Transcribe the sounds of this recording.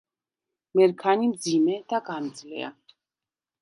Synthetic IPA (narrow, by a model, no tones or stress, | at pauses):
mɛɾkʰanimd̪zimɛd̪̥aɡand̪zlɛ̰a̰